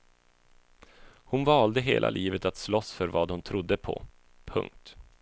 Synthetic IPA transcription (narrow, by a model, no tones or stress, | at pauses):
hʊnvɑːld̪əɦeːlʔa̰lʔiːvət̪at̪slɔsfœɾvɑːd̪hʊnt̪ʰɾʊd̪ːəpʰɔ̰ | pʰɵ̰ŋk̚t̪